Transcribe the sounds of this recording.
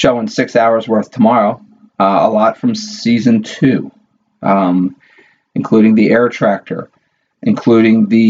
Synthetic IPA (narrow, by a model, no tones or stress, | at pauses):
ʃoʊɪ̃ŋsɪksaʊə˞zwɜ˞θtʰəmɑɹoʊ | ə̰lɔtfɹʌ̃msizɨ̃ntʰʉ | ɨ̃nkʰl̥uɾɪ̃ŋðiʔɛɹtʰɹ̥æk̚tʰə̰˞ | ʔɨ̃nkʰl̥uɾɪ̃ŋðɨ